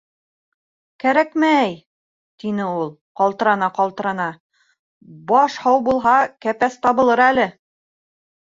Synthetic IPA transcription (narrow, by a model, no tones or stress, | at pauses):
kæɾækmæj | t̪inɘulˠqɑlˠt̪ɤ̆ɾɑnɑqɑlˠt̪ɤ̆ɾɑnɑ | bɑʃhɑwbulˠɦɑkæpæst̪ɑβɤ̆lˠɤɾælɘ